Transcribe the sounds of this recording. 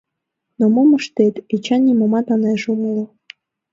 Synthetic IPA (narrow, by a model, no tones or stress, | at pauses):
nomoməʃt̪et̪et͡ɕɑnʲimomɑt̪ɑneʒumulɤ